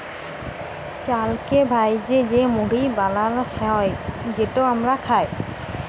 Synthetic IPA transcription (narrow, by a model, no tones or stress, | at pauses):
t͡ʃalkɛbʱajzɛzɛmuɽibalaɹhɛɔjzɛtɔamɹakʰaj